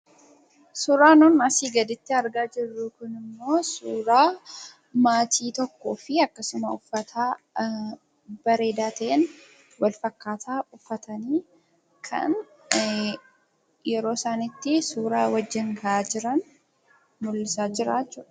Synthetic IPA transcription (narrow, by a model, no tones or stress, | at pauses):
suːɾaːnunɐsiːɡɐd̪ɪt̪ːɪɐɾɡaːd͡ʒɪrːʊkʊnɪmːo̞ːsuːɾaː | maːt̪ʰiːt̪ɔkːo̞ːfɪɐkːɐsʊmɐʊfːɐt̪ʰaː | b̥ɐɾe̞ːd̪aːt̪ʰɐʔen | wɐlfɐkːaːt̪ʰaːbʊkːɐt̪ɐniː | kʰɐ̰n | jɛɾo̞ːsaːnɪt̪ːɪsuːɾaːwɐd͡ʒːɪŋɡɐʔaːd͡ʒɪɾɐn | mʊlːɪsaːd͡ʒɪɾaːt͡ʃːʊᶑɐ̥